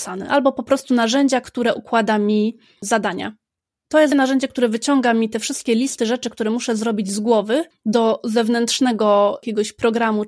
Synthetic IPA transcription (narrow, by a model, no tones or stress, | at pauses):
sanɛ̰ʔalbɔpɔpɾɔst̪unaʐɛɲd͡ʑakt̪uɾɛʔukwad̪amʲi | zad̪aɲa̰ | t̪ɔjɛsnaʐɛɲd͡ʑɛk̚t̪uɾɛvɘt͡ɕɔŋɡamʲit̪ɛfʂɘst̪̚kʲɛlʲist̪ɘʐɛt͡ʂɘk̚t̪uɾɛmuʂɛzɾɔbʲid͡ʑzɡwɔvɘ | d̪ɔzɛvnɛnt̪ʂnɛɡɔkʲɛɡɔɕpɾɔɡɾamu